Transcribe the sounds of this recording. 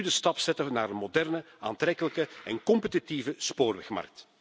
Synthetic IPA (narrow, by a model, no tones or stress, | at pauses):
ydəstɑpsɛtəənaːɾənmodɛrnə | a̰ːnt̪ɾɛkələkəɛnkɔmpətitivəspoːrʋɛxmɑ̰rk̚t